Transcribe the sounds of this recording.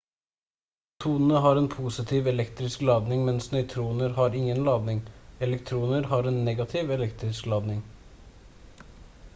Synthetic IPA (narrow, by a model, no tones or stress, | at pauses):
t̪ʰuːnən̩əɦɑːɾeːnpʰuːsɪt̪ʰiːʋɛlɛkt̪ɾɪsklɑːd̪nɪŋmɛnsnœʏt̪ʰɾuːnəɾhɑːɾɪŋənlɑːd̪nɪŋɛlɛkt̪ʰɾuːnəɾhɑːɾeːnːɛːɡɑt̪ʰɪːʋɛlɛkt̪ɾɪsklɑːd̪nɪŋ